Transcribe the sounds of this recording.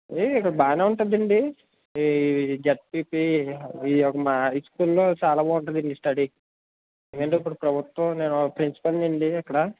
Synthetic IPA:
ikːɐɽɐbaːnaːuɳʈund̪ɐɳɖi | d͡ʒɐʈ̚piːpiiɔkɐmaːiskuːlːo̞ːt͡ʃaːlɐboːuɳʈ̬und̪ɐɳɖisʈɐɽi | kɐɳɖeip̬ːuɽupɾɐbʱut̪wɐ̃ne̞ːnɔɐpɾinsi̥pɐlniɳɖiɐkːɐɽɐ

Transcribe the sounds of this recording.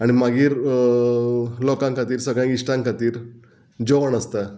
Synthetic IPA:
aɽ̃imaɡiːɾ | lɔkãŋkat̪iːɾsəɡɭjãɡiʂʈãŋkat̪iːɾ | d͡ʑoʋəɳəst̪a

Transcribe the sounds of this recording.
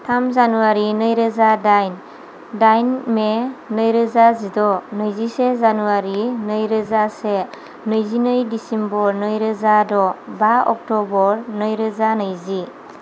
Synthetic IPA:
tʰamzanuwaɾinɯjɾəzadajn | dajnmenɯjɾɯzazidɔnɯjzisezanuwaɾinɯjɾɯzase | nɯjzinɯjdisembɔɾnɯjɾɯzadɔbaɔ̰k̚tɔbɔɾnɯjɾɯzanɯjzi

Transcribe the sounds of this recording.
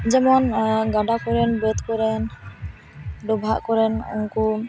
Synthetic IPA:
d͡ʒɛmɔnɡaɖakɔɾɛnbɾɛt̪kɔɾɛn | ɖɔbʱaʔkɔɾɛnɔ̰ŋku

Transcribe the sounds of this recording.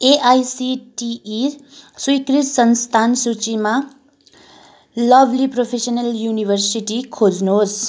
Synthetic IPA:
eʔajsiʈiːswujkrit̪sʌnst̪ʰansut͡sima | lʌbʱlipropʰesʌnʌljunibʱʌrsiʈikʰod͡znos

